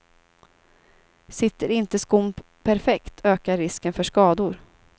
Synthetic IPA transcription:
sɪt̪ːəɾɪnt̪əskʊm | pʰæɾfɛkt̪ʰøːkaɾːɪskənfœʂkɑːd̪ʊɾ

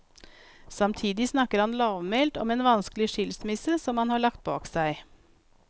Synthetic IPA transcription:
sɑmt̪ʰiːd̪ɪsnɑkəɾhɑnlɑːʋmeːlt̪ɔ̰meːnʋɑnsklɪʃɪlsmɪsəsɔmhɑnhɑːɭɑkt̪̚bɑːksæɪ

